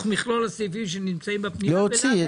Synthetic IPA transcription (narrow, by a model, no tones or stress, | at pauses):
χmiχlolasivimʃ̬enimt͡saimbepniloosi